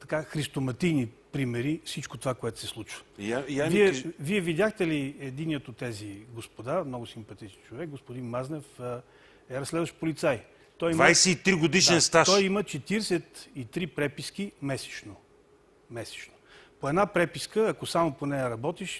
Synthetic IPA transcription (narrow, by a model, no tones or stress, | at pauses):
t̪ɐkaxɾist̪omɐt̪ijnipɾimɛɾifsit͡ʃkot̪ovakoɛt̪ʊ̥sɛslˠut͡ʃvə̥aviɛviɛvid̪ʲjaxt̪ɛliɛd̪inijət̪ot̪ːɛziɡospod̪amnɔɡʊsimpɐt̪it͡ʃɛnt͡ʃovɛk̚ɡospʊd̪inmaznɛfə | ɛɾɐsːlɛd̪vəʃt̪polit̪saj | t̪ɔjimvajsɛit̪ɾiɡod̪iʃɛnst̪aʃt̪ɔjimət͡ʃɛt̪iɾsɛt̪it̪ɾipɾɛpiskimɛsɛ̥t͡ʃno | mɛsɛ̥t͡ʃno̥ | poɛd̪napɾɛpiskəɐkosamoponɛjɐɾɐbɔt̪iʃ